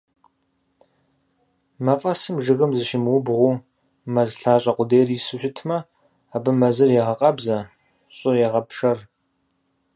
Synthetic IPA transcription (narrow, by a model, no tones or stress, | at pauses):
mɐfʼɐsɨmʒɨɣɨmzɨʃɪmwʊbʁʷu | mɐzɬaːɕʼɐqʷʊdeːrisɨɕɪtʰmɐ | abɨmɐzɨrjɛʁɐqʼɐbzɐ | ɕʼʊjɛʁɐpʰʂɐr